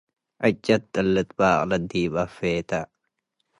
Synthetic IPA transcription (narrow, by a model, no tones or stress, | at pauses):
ʔɐt͡ʃʼːɐt̪t̪ɐlːɪt̪baːʔlɐd̪ːiːbɐfːeːt̪ɐ